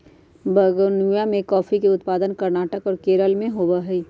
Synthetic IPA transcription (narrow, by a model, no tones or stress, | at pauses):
bɐɡnjamẽkɔːfikeʊt̪paːd̪ənkɐɾnaːʈəkɔːɾkeːɾəlmẽɦoːbaɦɛi